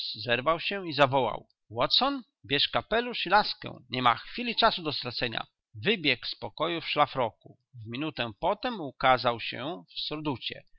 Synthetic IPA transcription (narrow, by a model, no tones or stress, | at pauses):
szɛɾvawɕɛizavɔwa̰w | wɔt̪sɔn | bʲjɛʂkapɛluʂilaskɛ̰̃w̃ɲɛma̰xfʲilʲit͡ʂasud̪ɔst̪ɾat̪sɛɲa̰ | vɘbʲjɛkspɔkɔjufʂlafɾɔku | vmʲinut̪ɛpɔt̪ɛmukazawɕɛ̰fsɔɾd̪ut͡ɕɛ̰